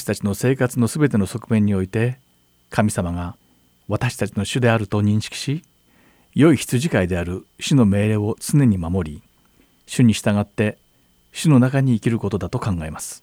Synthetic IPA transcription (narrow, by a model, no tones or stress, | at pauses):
ɕi̥t̪at͡ɕino̞se̞ːkat͡sɨno̞sɨbe̞t̪e̞no̞so̞kɯ̟mẽ̞ɲ̟ːio̞it̪e̞ | kʰamʲisamaɡa | βat̪aɕi̥t̪at͡ɕino̞ɕɨd̪e̞aɾɯ̟t̪o̞ɲ̟ĩɰ̃ɕi̥kʲi̥ɕi | jo̞içi̥t͡sɨʑikaid̪e̞aɾɯ̟ɕɨno̞me̞ːɾe̞ːo̞t͡sɨne̞ɲ̟imamo̞ɾʲi | ɕɨɲ̟iɕi̥t̪aɡat̪ːe̞ | ɕɨno̞nakaɲ̟iːkʲiɾɯ̟ko̞t̪o̞d̪at̪o̞kãŋɡae̞masɨ̥